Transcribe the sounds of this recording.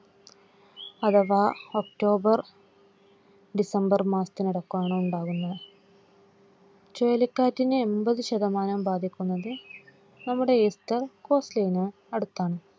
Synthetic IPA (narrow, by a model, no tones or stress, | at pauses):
ɐd̪ɐʋaːok̚ʈo̞ːbɐr | ɖisɐmbɐrmaːst̪iniɽɐkːuaːɳɨuɳɖaːɣunːɐðɨ | t͡ɕojɐlikʲːaːtːinɨembɐðɨɕɐðɐmaːnɐmbaːd̪ʱikʲːunːɐðɨ | nɐmːuɽe̞est̪ɐrko̞ːslɐjinɨ | ɐɽut̪ːaːɳɨ